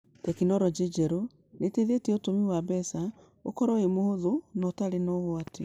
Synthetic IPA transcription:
tɛkinɔɾɔd͡ʒed͡ʒɛɾo | neteðetiɛotomiwaβɛsa | o̰kɔɾɔemohoðonɔtaɾenoβwate

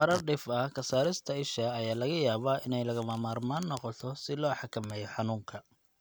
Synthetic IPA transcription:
ɐɾɐrɖɪfɐkʰɐsaːɾɪst̪ʰɐɪʃɐːjaːlɐɣɐjaːβaːʔɪnɛjlɐɣɐmɐmaːrmaːnːɔqɔt̪ʰɔsɪlɔːħɑkʰɐmɛjɔħɑnuːŋkʰɐ

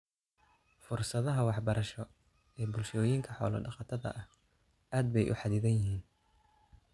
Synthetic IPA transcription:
fʊrsɐðɐɦɐwɑħbɐɾɐʃɔ | ɛːbʊlʃɔːjiːŋkʰɐħɔ̰ːlɐ̰ɖɑqɑt̪ʰɐðɐ̰ʔɐh | ʔaːd̪̚bɛjʔʊ̰ħɑðɪðɐnjɪɦiːn

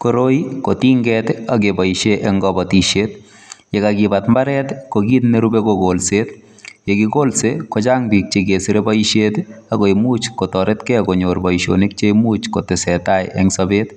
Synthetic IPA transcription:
koɾojkotiŋɡɛtakebaiʃeʔɛŋɡɔbɔtiʃet | jekaɡibatmbaɾɛtkoɡitneɾubekoɡolset | jeɡiɡolsekot͡ʃaŋbik̚t͡ʃeɡesiɾebaiʃetakoimuːt͡ʃkotɔɾetkɛkoɲoɾbɔiʃo̰nik̚t͡ʃemut͡ʃkotɪsɛtajɛ̰ŋsɔbet

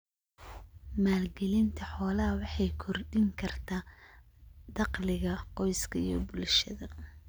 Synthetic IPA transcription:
maːlɡɛlɪnt̪ʰɐħɔːlɐɦɐwɑħɑjkʰɔrɖɪŋkʰɐrt̪ʰaː | d̪̥ɑqlɪɣɐqɔjskʰɐḭjɔ̰bʊlʃɐðɐ

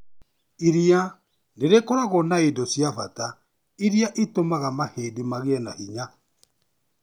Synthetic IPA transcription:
iɾia | neɾekoɾaɣɔnaedɔsjafata | iɾiaʔitomaɣamaheːdimaɣeɛnahiɲa

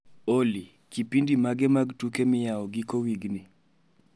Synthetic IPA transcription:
oli | kipindimaɡɛmaɡtukemɪjaɔɡikowiɡnɪ

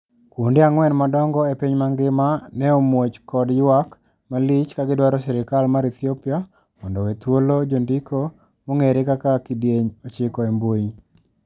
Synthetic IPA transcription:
kwondɪaŋwɛnmadɔŋɡɔepiɲmaŋɡɪmanɛomwot͡ʃkɔdjwak | malɪt͡ʃkaɡɪdwaɾɔsɛɾɪkalmaɾit̪ʰiɔpɪa | mɔndɔwet̪wolod͡ʒondikʰo | moŋeɾekakakidjeɲot͡ʃɪkɔembwoɲ

